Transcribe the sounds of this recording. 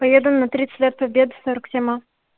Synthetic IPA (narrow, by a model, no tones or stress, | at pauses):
pɐjʲed̪ənːɐt̪ɾʲit̪sɨ̥tʲlʲet̪̚pɐbʲed̪ɨsoɾəksʲema